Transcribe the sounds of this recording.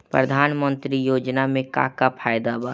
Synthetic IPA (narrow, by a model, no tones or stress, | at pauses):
pɾə̰d̪ʱaːnmə̃nt̪ɾijoːd͡ʒnamẽka̰kapʰaːjd̪aba